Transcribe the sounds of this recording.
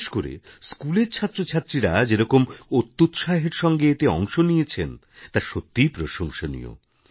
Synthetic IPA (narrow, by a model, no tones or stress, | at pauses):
ʃkoɾḛskuleɾt͡ɕʰat̪ːɾot͡ɕʰat̪ːɾiɾad͡ʑeɾɔkomot̪ːut̪ʃaɦeɾʃɔŋɡeet̪eɔŋʃonijet͡ɕʰen | t̪aɾʃot̪ːipɾoʃoŋʃonḭo̰